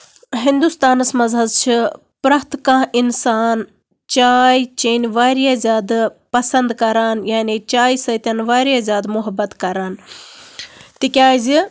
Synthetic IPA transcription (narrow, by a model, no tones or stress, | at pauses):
ɦind̪ust̪aːnɨsmɐzɦɐzt͡ʃʰi | pɾɐɦt̪kãːʔinsaːn | t͡ʃaːjt͡ʃeːnʋaːɾijazʲjaːd̪pɐsɐnd̪kɐɾaːnjaːnit͡ʃaːjsɐt̪ʲɐnʋaːɾijazʲjaːd̪mʊɦɐbːɐt̪kɐɾaːn | t̪ikʲaːzi